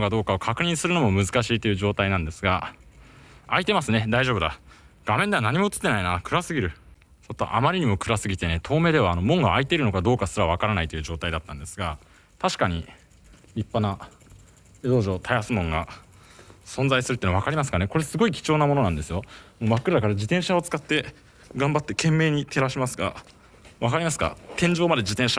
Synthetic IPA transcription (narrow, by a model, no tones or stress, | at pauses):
kad̪o̞ːkao̞kʰakɯ̟ɲ̟ĩɰ̃sɨɾɯ̟no̞mo̞mɯ̟zɨkaɕiːt̪o̞jɯ̟ʑo̞ːt̪ainãnd̪e̞sɨɡa | ait̪e̞masɨne̞d̪aiʑo̞bɯd̪a | ɡ̥amẽ̞nd̪e̞anaɲ̟imo̞ɯt͡s̪ɨ̥t̪ːe̞nainakɯ̟ɾasɨɡʲiɾɯ̟ | so̞t̪ːo̰ʔa̰maɾʲiɲ̟imo̞kɯ̟ɾasɨɡʲit̪e̞ne̞t̪ʰo̞ːme̞ːd̪e̞βaːno̞mõ̞ŋɡaːit̪eɾɯ̟no̞kad̪o̞ːkasɨɾaβ̞akaɾanait̪oiɯ̟ːʑo̞ːt̪aid̪at̪ːãnd̪e̞sɨɡa | t̪aɕi̥kaɲ̟i | ɾʲipːana | ed̪o̞ːʑo̞ːt̪ʰajasɨmõ̞ŋɡa | sõnd͡zaisɨɾɯ̟t̪ːiːnaβakaɾʲimas̬ɨ̥kane̞ko̞ɾe̞sɨɡo̞ikʲi̥t͡ɕo̞ːnamo̞no̞nãnd̪e̞sɨjomoːmakːɯ̟ɾakaɾad͡ʑit̪ẽɰ̃ɕao̞t͡sɨ̥kat̪ːe̞ | ɡãmbat̪ːe̞kẽ̞mːe̞ːɲ̟it̪ʰe̞ɾaɕimasɨɡa̰ | βakaɾʲimasɨ̥ɡa̰t̪ẽ̞ɲ̟d͡ʑo̞ːmad̪e̞d͡ʑit̪ẽ̞ɰ̃ɕa